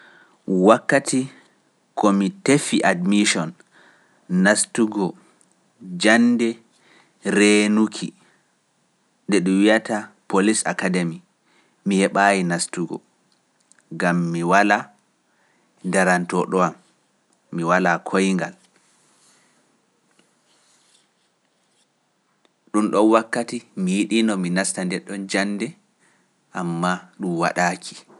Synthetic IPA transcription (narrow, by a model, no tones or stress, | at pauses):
wakːatʰi | kɔmitefiʔadmiʃɔnː | astuɡɔ | d͡ʒanːdɛ | ɾenukʰḭ | ndɛɗuwijatapolisa̰kademi | mihɛɓajinastuɡɔ̰ | ɡamːiwala | ndaɾantɔɗɔamː | iwalakʰojŋɡal | ɗumɗɔnwakːatimijiɗinɔminastandɛɗːɔnd͡ʒanːdɛ | ʔamːaɗumwa̰ɗaːkʰi̥